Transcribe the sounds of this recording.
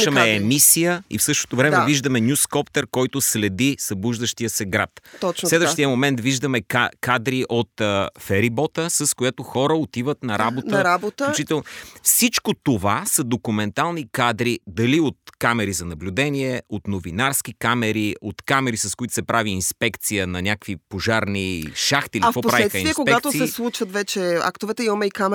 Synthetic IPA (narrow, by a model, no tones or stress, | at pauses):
ʃəmɛɛmisijəḭfsɤʃt̪o̥t̪ovɾɛmɛviʒd̪əmɛnʲjuskɔpt̪ɛɾkɔjt̪ʊslɛd̪isɐbuʒd̪əʃt̪ijəsɛɡɾat̪t̪ɔslɛd̪vəʃt̪ijəmomɛnt̪viʒd̪əmɛkakad̪ɾiʔot̪əfɛɾibɔt̪əsɐskojɛt̪oxɔɾəot̪ivət̪nɐɾabott̪əɾabost̪ut͡ʃit̪ɛlˠnfsit͡ʃkot̪ovasɐd̪okumɛnt̪alˠnikad̪ɾid̪ɐliot̪̚kamɛɾizɐnɐblʲud̪ɛniɛot̪novinaɾskikamɛɾiot̪kamɛɾisɐskoit̪ʊ̥sɛpɾaviːnspɛkt̪sijənɐnʲakvipoʒaɾniʃaxt̪iafkɔppsɾaviɛt̪ɐĩviɛkoɡpɛatt̪osɛslˠut͡ʃvət̪vɛt͡ʃɛa̰kt̪ovɛt̪ɛimɐmɛikam